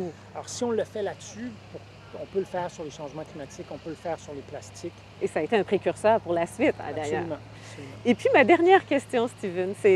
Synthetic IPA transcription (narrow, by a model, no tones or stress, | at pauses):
alɔ̰ʁsiɔ̃ləfɛlat̪sypuʁ | ɔ̃pøləfɛːʁsyʁleʃɑ̃ʒmɑ̃klimat̪ɪkɔ̃pøləfɛːʁsyʁleplast̪ɪk | esaːet̪eɛ̃pχekʲyʁsœːʁpuʁlasɥit̪ɛ̰d̪ajœːʁm̃ | solym̃epɥimad̪ɛʁnjɛːʁkʲɛst̪jɔ̃st̪ivɛnsɛ